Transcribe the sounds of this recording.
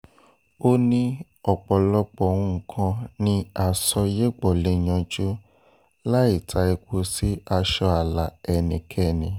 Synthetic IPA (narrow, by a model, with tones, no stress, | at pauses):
o˦nĩ˦ | ɔ˨k͡pɔ˨lɔ˧k͡pɔ˨wũ˦˧ŋ̩˨kʰã˧nĩ˧a˨sɔ˧je˦ɡ͡bɔ˨le˦j̃ã˧d͡ʒu˦ | la˦i˦˨tʰa˧ɛ˧k͡po˧si˦a˧ʃɔ˧a˨la˨ɛ˨nĩ˨kʰɛ˦˨nĩ˨